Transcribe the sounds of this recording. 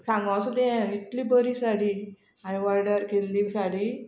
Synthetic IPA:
sãŋɡasd̪ẽit̪liːbəɾiːsaɽiː | aĩʋaɾɽəɾkelːisaɽ̤iː

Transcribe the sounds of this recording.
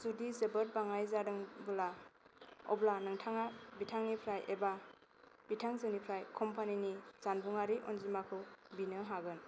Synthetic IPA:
zudizəbət̚baŋajzadɯŋbula | ɔ̰blanɯŋtʰaŋabitʰaŋnipʰɾajʔeba | b̥itʰaŋzɯnipʰɾajkʰɔmpʰaniniz̥anbuŋaɾiʔɔnzimakʰɯwbinɯɦaɡɯn

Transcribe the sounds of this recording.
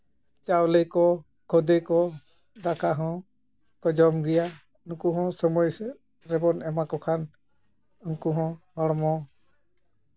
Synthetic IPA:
t͡ʃawlejkɔ | kʰɔd̪ekɔ | d̪akʰaɦɔ̃ | kɔd͡ʒɔmɡija | nukuɦɔ̃sɔmɔj | ɾɛbɔnɛmakɔkʰan | uŋkuɦɔ̃hɔɽmɔ

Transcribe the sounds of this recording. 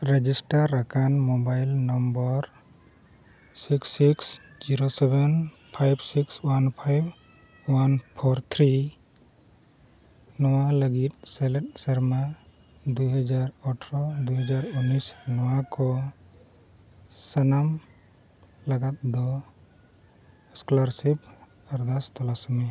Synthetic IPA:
ɾed͡ʒisʈaɾːakanmɔbajlnɔmbɔɾ | siksːiks | d͡ʒiɾosɛbɛn | pʰajbsikswanpʰajb | wanpʰɔɾt̪ʰɾi | nɔwaləɡit̪̚sɛlɛt̪̚səɾma | d̪uɦad͡ʒaɾɔʈʰɾɔd̪uɦad͡ʒaɾunːisnɔwakɔ | sanam | laɡat̪̚d̪ɔ | ɛsklaɾsib | aɾd̪ast̪ɔlasɔmɛ

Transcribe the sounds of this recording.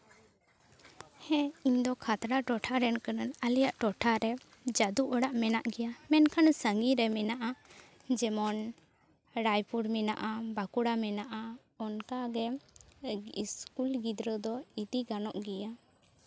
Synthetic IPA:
hɛ̃iɲd̪ɔkʰat̪ɾaʈɔʈʰaɾɛnkənənəlijaʔʈɔʈʰaɾɛ | d͡ʒad̪uʔɔɽaʔmɛnaʔɡɛjamɛnkʰansəŋɡiɾɛmɛnaʔa | d͡ʒɛmɔn | ɾajpuɽmɛna̰ʔabakuɽamɛnaʔa | ɔnkaɡɛ | iskulɡid̪ɾəd̪ɔit̪iɡanɔʔɡɛja

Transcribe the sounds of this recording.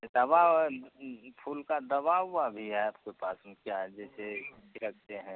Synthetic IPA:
d̪əba | pʰuːlkad̪əbaːwːabʱiɦɛaːpkepaːsmkjaɦɛd͡ʒɛːsekɾək̚ʰt̪eɦɛ̃ː

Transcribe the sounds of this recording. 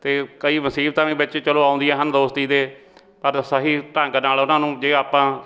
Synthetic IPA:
t̪eːkəiːməsiːb̚t̪ãːʋĩːbɪt͡ʃt͡ʃəloːaːʊ̃nd̪iːɛːɦənd̪oːst̪iːd̪eː | pəɾsəɦiːʈə̃ŋɡnaːlʊnãːnũːd͡ʒeːaːpãː

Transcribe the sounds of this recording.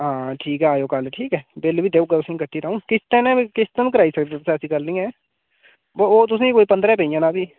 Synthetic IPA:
ɦãːʈʰiːkɦɛːaːjoːkəlʈʰiːkɛːbɪlbiːd̪eːʊɡʊsẽkəʈʰːiːɾəũːkɪst̪ɛ̃nɛ̃ːkɪst̪əmk̬əɾaːisəkd̪et̪ʊsɛ̃ːsiːkəlnĩːɦɛː | booːt̪ʊs̬ẽkoːiːpə̃nd̪ɾɛ̃ːpeijãːnaːbʱiː

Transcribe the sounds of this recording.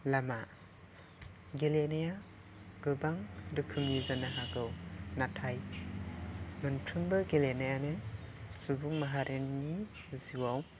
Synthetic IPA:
lama | ɡelenaja | ɡ̥ɯbaŋdɯkʰɯmjizanaɦaɡɯwnatʰaj | mɯntʰɯmbɯɡelenajanɯsubuŋmaɦaɾʔenni | ziwaw

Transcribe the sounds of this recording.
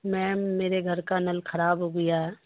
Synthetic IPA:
mɛ̃ːmeːɾeɡʱɐɾkanɐlkʰɐɾaːbɦoɡɐjaɦɛː

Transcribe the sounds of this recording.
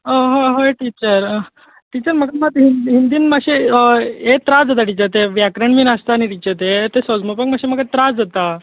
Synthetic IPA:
əɦoɦoeʈit͡ɕəɾ | ʈit͡ɕəɾməɡamət̪ɦinɦind̪iːnmaɕe | et̪ɾad͡zat̪aʈit͡ɕət̪eʋjakɾəɳmiːnəst̪aːñiʈit͡ɕət̪et̪esɔd͡zmopəkmaɕeməɡat̪ɾad͡zot̪a

